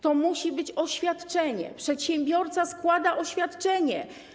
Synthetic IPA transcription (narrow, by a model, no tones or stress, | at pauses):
t̪ɔmuɕibɘt͡ɕɔɕfʲjat̪t͡ʂɛɲɛ̰pʂɛt̪ɕɛmbʲjɔɾt̪saskwad̪aʔɔɕfʲjat̪t͡ʂɛɲɛ